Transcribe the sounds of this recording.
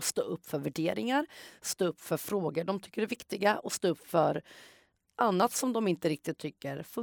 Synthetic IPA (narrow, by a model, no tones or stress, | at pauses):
st̪o̰ːɵpːfœɾvæɖeːɾɪŋaɾst̪oːɵpːfœɾfɾoːɡəɖɔmt̪ʰʏkːəɾɛɾvɪkt̪ɪɡaʔɔst̪oːɵpːfœɾ | ʔanːat̪sɔmd̪ɔmɪnt̪əɾɪk̚t̪ɪt̪ʰːʏkːəɾfɵ